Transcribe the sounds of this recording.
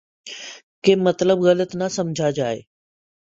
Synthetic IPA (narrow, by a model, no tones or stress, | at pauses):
kemɐt̪ləbɣɐlət̪nəsɐmd͡ʑʱad͡ʒaːḛː